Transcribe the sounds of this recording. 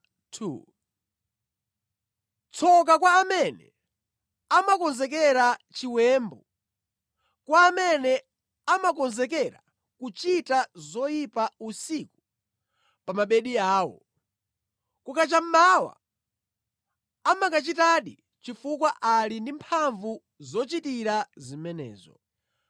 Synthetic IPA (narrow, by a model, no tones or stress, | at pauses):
tʰṵ | t͡sʰɔk̬akwaːmɛnɛ̰ | amakɔnzɛk̬ɛɾat͡ʃiwɛːmbɔ | kwaːmɛnɛ | amak̬ɔnzɛk̬ɛɾa̰ | kut͡ʃitazɔjipausiku̥ | pamaɓɛɗiaːwɔ̰ | kukat͡ʃam̩mawa̰ | amakat͡ʃitaɗi | t͡ʃifukwaʔalindimpʰaɱvu | zɔt͡ʃitiɾazimɛnɛ̰ːzɔ̰